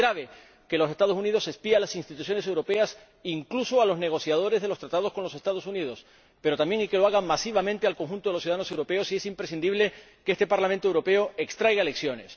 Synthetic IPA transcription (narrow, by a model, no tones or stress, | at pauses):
ɾaβe̞ | ke̞lose̞st̪aðo̞sunið̞o̞se̞spialasinst̪it̪uθ̬jo̞ne̞sewɾo̞pe̞as | iŋklusoalo̞zne̞ɣ̞o̞θjað̞o̞ɾe̞zðelost̪ɾat̪að̞o̞sko̞nlo̞se̞st̪aðo̞suniðo̞s | pe̞ɾo̞t̪amje̞ŋike̞loaɣamasiβamẽnt̪e̞alko̞ŋxũnt̪oðlosjuðaðanose̞wɾo̞pe̞osie̞simpɾes̬ind̪iβle̞ | keest̪e̞paɾlamẽnt̪owɾo̞pe̞oe̞kst̪ɾajɣaele̞ksjo̞ne̞s